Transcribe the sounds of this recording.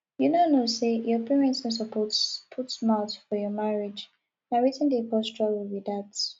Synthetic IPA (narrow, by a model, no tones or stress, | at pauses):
junonosejɔpʰɛɹɛ̃nsɔs̬ɔpʰɔtpʰutsmaʊtfɔjɔmaɹɪd͡ʒ | naɹitə̃ndepɔstɹawibidats